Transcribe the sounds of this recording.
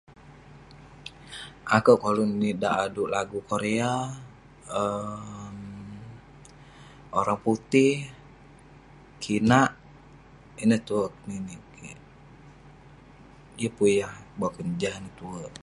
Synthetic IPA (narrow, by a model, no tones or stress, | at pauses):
ʔakəwkalonidaʔaduʔlaɡukoɾea | əm | oɾaŋput̪ɪh | kʰinaʔ | inəht̪uək̚ninikʰi | ijəpujahbaakənd͡ʒahnət̪uəʔ